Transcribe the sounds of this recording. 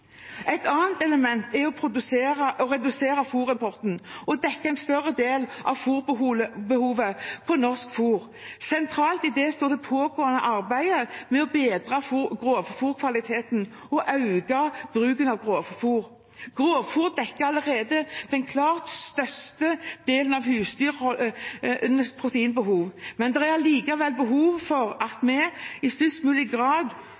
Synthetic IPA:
æɪt̪ɑːnt̪ɛləmɛnt̪ʰɛɔpʰɾʊd̪ʉseːɾɑɔʁɛd̪ʉseːɾɑfuːʁɪmpʰɔʁt̪n̩ɔd̪ɛkːəɛɪnst̪œʁəd̪eːlʔɑ̰ʋfuːʁbubəhuːʋəpʰɔnɔʁskfuːʁ | sɛnt̪ʰɾɑːlt̪ɪd̪ɛst̪oːʁd̪ɛpʰoːɡoːɑnəʔɑʁbæɪəmɛɔbeːd̪ʁɑːfuɡʁoːʋfuːʁkʰʋɑlɪt̪ʰeːt̪n | ɔʔɑʉɡɑb̥ɾʉːkənɑʋɡʁoːffuːʁ | ɡ̥ʁoːfuːʁd̪ɛkːəɾʁɑləʁeːd̪əd̪̥ɛnkʰlɑːʁt̪st̪œʁst̪əd̪̥eːlənɑʋhʉːst̪yːʁɔ | nəspʰɾʊt̪əiːnbəɦuːʋmɛnd̪ɛʁææliːkɑʋɛlbəɦuːʋfɔʁɑt̪mɛɪst̪ʏst̪mʉːlɪɡʁɑːd̪

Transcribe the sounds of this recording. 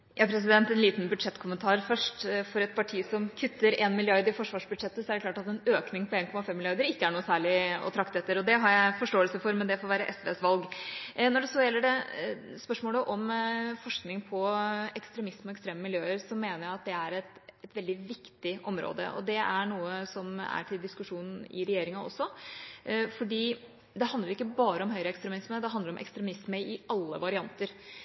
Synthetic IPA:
jʔɑːpʰɾɛs̬ɪd̪ɛnt̪ɛnliːt̪n̩bʉd̪ʂɛt̪ːkʰʊmənt̪ʰɑːɾfœʂʈfɔɾɛt̪̚pʰɑʈʰiːsɔmkʰʉt̪ːəɾeːnmɪlɪɑɾd̪ɪfɔʂʋɑːʂbʉd̪ʂɛt̪ːəsɔæɾɖɛklɑːʈɑt̪ɛnøːknɪŋpʰɔeːnkɔmɑfɛmːɪlɪjɑɾd̪əɾɪkːəæɳuːəsæːɭɪɔ̰t̪ʰɾɑkt̪ɛt̪ːəɾɔd̪ɛɦɑɾjæɪfɔʂʈoːəlsəfɔɾmɛnd̪ɛfoːɾʋæːɾəʔɛsʋḛːsʋɑlɡnɔɖɛsɔjɛlːəɖɛspœʂmoːləʔɔmfɔʂknɪŋpʰɔɛkst̪ɾɛmɪsmɔɛkst̪ɾeːməmɪljøːəɾsɔmeːnəɾjæɪɑt̪̚d̪ɛæɾɛt̪ɛt̪ʋɛld̪ɪʋɪkt̪ɪʔɔmɾo̰ːd̪ə̰ʔɔ̰d̪ɛæɳuːəsɔmæ̰ʈʰɪld̪ɪskʉʂuːnn̩ɪ̰ɾɛjeːɾɪŋɑʔɔ̰sːɔ | fɔɖiː | d̪ɛɦɑnd̪ləɾɪkːəbɑːɾəɔmɦœʏɾəɛkst̪ɾɛmɪsməd̪ɛɦɑnd̪əɾɔmʔɛ̰kst̪ɾɛmɪsməɪʔɑlːə̰ʋɑɾɪɑnt̪əɾ

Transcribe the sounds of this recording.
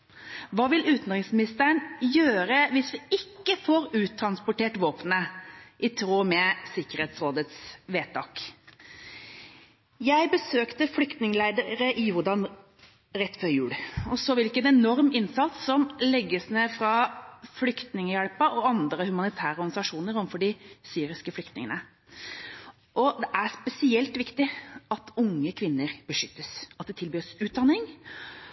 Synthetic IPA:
ʋɑːʋɪlʉːt̪nd̪ʁɪŋsmɪnɪst̪əəɳjøːɾəʋɪsʋɪɪkːəfoːɾʉːt̪ʰːɾɑnspʊʈeːʈʋoːpnəʔɪt̪ʰɾoːmɛsɪkːəʁɾheːt̪sɾoːd̪ət̪sʋeːt̪ʰɑ̰ːk | jæɪbəsøːkt̪əflʏkt̪nɪŋəlæɪd̪əɾəʔɪjuːɾd̪ɑn | ɾɛt̪ːfœːɾjʉ̰ːɽɔsɔːʋɪlkənɛnɔɾmɪnsɑt̪ssɔmlɛɡːəsnəfɾɑflʏkt̪nɪŋəjæɽpəɔɑnd̪ɾəhʉmɑnɪt̪ʰæːɾəɔɾɡɑnɪsɑʂuːnəɾʊmfɔɖɪsyːɾɪskəflʏkt̪nɪ̰ŋənə | ʔɔd̪ɛʔæɾspɛsɪɛlt̪ʋɪkt̪ɪɑt̪ʊŋːəkʰʋɪnːəɾb̥əʂʏt̪ːəsɑt̪̚d̪ɛt̪ʰɪlbøːsʉːt̪̚d̪ɑnɪŋ

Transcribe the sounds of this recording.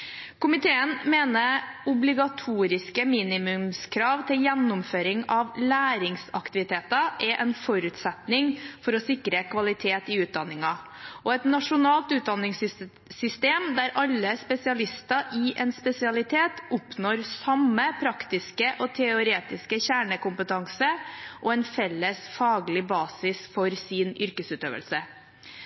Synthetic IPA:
kʊmɪt̪ʰeːənmeːnə | ʊblɪɡɑt̪ʰuːɾɪskəmiːnɪmʉmskʰɾɑːʋt̪ʰɪljɛnːʊmføːɾɪŋɑʋlæːɾɪŋsɑ̰kt̪ɪʋɪt̪ʰeːt̪ɑʔɛʔɛnfɔɾʉt̪sɛt̪nɪŋfɔɾɔsɪkɾəkʰʋɑlɪt̪ʰeːt̪ɪʉːt̪̚d̪ɑnːɪŋɑɔɛt̪nɑʂʊnɑːlt̪ʉːt̪̚d̪ɑnːɪŋs | sʏst̪eːmd̪æɾʔɑlːəspɛsɪɑlɪst̪ɑʔɪʔɛnspɛsɪɑlɪt̪ʰeːt̪ʊpnoːɾsɑmːəpʰɾɑkt̪ɪskəʔɔt̪ʰɛʊɾeːt̪ɪskəçæːɳəkʊmpət̪ʰɑŋsəʔɔɛnfɛlːəsfɑːɡlɪbɑːsɪsfɔɾsɪnʔʏɾkəsʉːt̪øːʋə̰lsə

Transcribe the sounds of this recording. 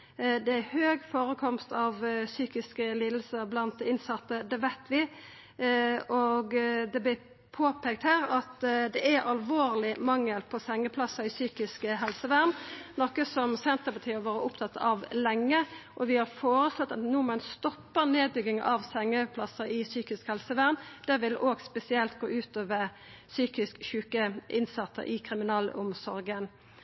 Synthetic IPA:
d̪ɛæhøːɡfoːɾəkʰɔmst̪ɑʋsyːkɪskəliːd̪əl̩səblɑnt̪̚d̪ɪnsɑt̪ːəd̪ɛʋæɪt̪ʰʋɪ | ɔɡd̪ɛblɪ | pʰoːpʰɛːk̚t̪hæːʁɑt̪d̪ɛʔæɾɑlʋoːʁlɪmɑŋːəlpʰɔsɛŋːəpʰlɑsəɾɪsyːkɪskəɦɛlsəʋæɾmnɔkːəsɔmsɛnt̪əpɑt̪ʰiːɔʋoːʁəʔʊpt̪ʰɑt̪ɑʋlɛŋːəʔɔʋɪhɑʁfoːɾəslɔt̪ːɑt̪nuːmɛnst̪ɔpːəʁneːd̪̚bʏɡɪŋɑʔɑʋsɛŋːəpʰlɑsəɾɪsyːkɪskhɛlsəʋæʁmd̪̥æːʋɪlʔoːɡspɛsɪɛlt̪ɡoːʔʉːt̪oːʋəɾ | syːkɪskçʉːkəʔɪ̰nsɑt̪ːə̰ɾʔɪkʰʁɪmɪnɑːlʊmsɔɾɡən

